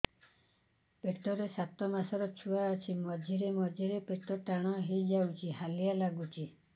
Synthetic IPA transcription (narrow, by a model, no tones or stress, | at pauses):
peʈɔɾesat̪ɔmasɔɾɔt͡ʃʰuaɔt͡ʃʰimɔd͡ʒʱiɾemɔd͡ʒʱiɾepeʈɔʈaɽ̃ɔɦejd͡ʒawt͡ʃʰiɦalijalaɡut͡ʃʰi